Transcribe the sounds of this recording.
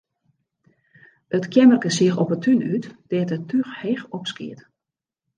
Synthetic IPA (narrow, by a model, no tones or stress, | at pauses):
ətkʰjɛmərkəsɪəxɔpətʰynytd̥ɛːtətʰyxheːxɔpskɪ̰ət